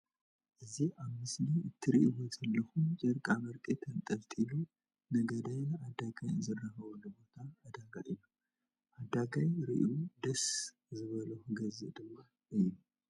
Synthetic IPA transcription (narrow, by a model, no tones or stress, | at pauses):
ʔɨziaβmɨsliɨt̪ʰːɨɾiʔwozɐlːɐxumt͡ʃʼɐɾkʼamɐɾkʼit̪ʰɐnt̪ʼɐβt̪ʼilu | nɐɡɐd̪ajnad̪aɡajnzɨrːɐhɐβunɨbo̞t̪ʰaɐd̪aɡa̰ʔɨlːu | ʔad̪aɡajɾḭʔud̪ɐs | zɨβɐlɐxɡɐzɨʔd̪ɨmːa | ʔɨjlːu